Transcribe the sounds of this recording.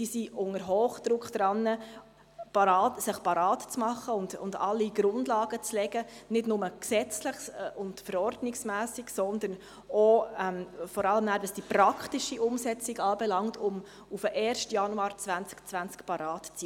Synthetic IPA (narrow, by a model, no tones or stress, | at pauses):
d̥iːsiʊŋəɾɦoːχd̪̥ɾʊkχd̪̥ɾɑnːə | pɑɾɑːtsɪχpɑɾɑːtt͡smɑχːəʊndʊ̰ndɑlːiɡ̥ɾʊndlɑːɡ̥ət͡slɛɡənɪdnʊməksɛt͡slɪχsʊndfəɾɔɾdnɪksmæːsiɡsɔnd̪ən | ɔɛmfɔɾɑləmnæːɾdɑsd̥ipɾɑkχtiʃiʔʊmsɛt͡siɡɑːbɛlɑŋtʰʊm | ufəʔɛːɾʃtjɑnuɑːɾt͡svænt͡skt͡sʋænt͡skpɑɾɑːtt͡si